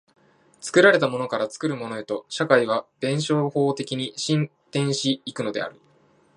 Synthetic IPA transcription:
t͡sɨ̥kɯ̟ɾaɾe̞t̪amo̞no̞kaɾat͡sɨ̥kɯ̟ɾɯ̟mo̞no̞e̞t̪o̞ɕakaiβ̞ab̥ẽ̞ɰ̃ɕo̞ːho̞ːt̪e̞kʲiɲ̟iɕĩnt̪ẽ̞ɰ̃ɕiːkɯ̟no̞d̪e̞̰a̰ɾɯ̟

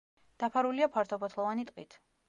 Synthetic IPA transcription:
d̪̥apʰaɾuliapʰaɾt̪ʰɔbɔt̪ʰlˠɔvanit̪ʼqʼit̪ʰ

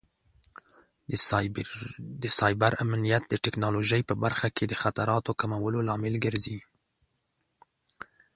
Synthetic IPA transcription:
d̪əsɑjbaɾamnijat̪̚d̪əʈɛknɑloʒəjpəbaɾxaked̪əxat̪aɾɑt̪okamawəlolɑmɪlɡəɾzi

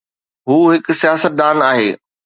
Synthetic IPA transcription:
ɦuːɦɪksijaːsət̪̚d̪aːnaːɦeː

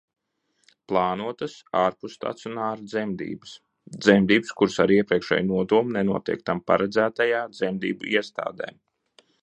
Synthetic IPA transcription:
plˠaːnuɔt̪əsaːɾpust̪a̰t̪sunaːɾd̪zɛmd̪ḭːbəs | d̪zɛmd̪iːbskuɾsaɾiɛpɾiɛkʃɛ̰ːjnuɔd̪uɔmnenuɔt̪ḭɛk̚t̪ampa̰ɾɛd̪zæːt̪ajaːd̪zɛmd̪ḭːbuiɛst̪a̰ːd̪ɛ̰ː

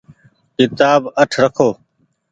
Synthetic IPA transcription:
kɪt̪aːbəʈʰɾəkʰoː

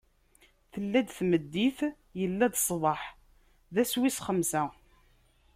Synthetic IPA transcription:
θəlːæd̪θməd̪ːiθ | jəlːæd̪sˤvˤɑħ | ðæswisχəmsæ

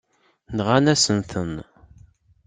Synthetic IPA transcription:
nʁanæsənθən

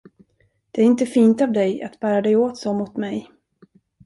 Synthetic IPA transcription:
d̪̥ɛæɾɪnt̪əfiːnt̪aːvd̪ɛja̰t̪bæːɾad̪ɛjoːt̪soːmʊt̪mɛj

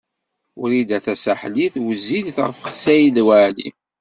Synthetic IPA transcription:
ʊɾid̪æθæsæħliθwəzːid̪θʁəfəχsæjiðwæʕlḭ

